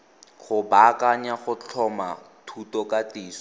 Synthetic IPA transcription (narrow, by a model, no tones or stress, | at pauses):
χʊbakaɲaχʊt͡ɬʰɔma | tʰutɔkatiːsɔ̥